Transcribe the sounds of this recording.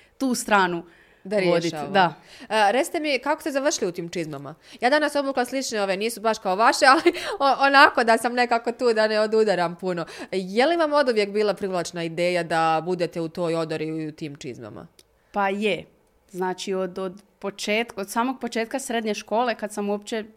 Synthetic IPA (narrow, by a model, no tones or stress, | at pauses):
t̪uːst̪ɾaːnu | d̪aɾjod̪iʃaaɾet̪si̥t̪emikako̞st̪ezaʋr̩ʃiliut̪iːmt͡ʃizmama̰jaːd̪anaso̞buːklˠaslit͡ʃneo̞ʋeniːsubaʃkaoʋaʃealioonako̞d̪asamne̞kako̞t̪uːd̪aneo̞d̪ud̪aɾampuno̞jeliʋamo̞d̪uʋje̞kbiːlˠapɾiʋlˠaːt͡ʃnaid̪e̞ːjad̪abud̪et̪eut̪o̞ːjo̞d̪oɾiut̪iːmt͡ʃḭzma̰ma̰ | paje | znaːt͡ʃiod̪od̪po̞t͡ʃeːt̪kod̪saːmoɡ̚po̞t͡ʃeːt̪̚kasɾed̪ɲeʃko̞ːle̞kad̪samuop̚t͡ɕe